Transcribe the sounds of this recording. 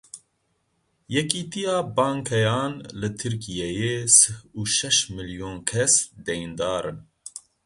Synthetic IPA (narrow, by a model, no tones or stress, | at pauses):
jɛkiːt̪ijɑːbɑːŋkʰɛjɑːnlɨt̪ʰɨɾkijɛjeːsɨhuːʃɛʃmɨljoːnkʰɛsd̪ɛjind̪ɑːɾɨn